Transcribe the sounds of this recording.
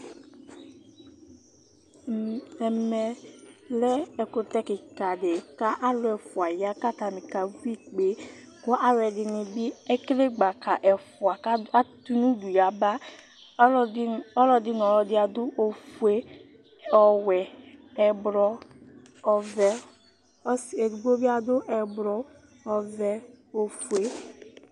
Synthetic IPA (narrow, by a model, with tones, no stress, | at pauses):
ɛ˨mɛ˨lɛ˦ɛ˨kʊ˨t̪ɛ˦kɪ˨ka˨de˨ka˦ʔa˦lʊ˨˦ɛ˨fʊ˨a˨ja˦ka˦t̪a˨mĩ˨ka˨vu˦i˦k͡pe˨˦ | kʊ˦ʔa˦wɛ˨dɪ˨nɪ̃˨bi˦ɛ˦kle˦ɡ͡ba˨ka˨ʔɛ˨fʊ˨a˨ka˦a˦t̪u˦nũ˦du˨ja˨ba˦ | ɔ˦lɔ˨dɪ˦n˨ɔ˨lɔ˨dɪ˦a˨dʊ˦ʔo˨fu˨˦e˦ | ɔ˨wɛ˨ | ɛ˨bɾɔ˦˨ | vɛ˦ | se˨ɡ͡bo˦bi˦a˨dʊ˦ʔɛ˨bɾɔ˦ | ɔ˨vɛ˨o˨fu˨e˦